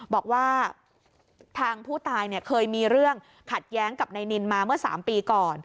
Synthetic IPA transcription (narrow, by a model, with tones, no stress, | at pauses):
bɔː˨˩k̚waː˥˩ | t̪ʰaː˧ŋpʰuː˥˩t̪aː˧jni˥˩ɐkʰɤː˧jmiː˧ɾɯ˥˩əŋ | kʰa˨˩t̪̚jɛː˦˥ŋka˨˩p̚na˧jni˧nmaː˧mɯ˥˩ɐsa̰ː˩˦mpiː˧kɔː˨˩n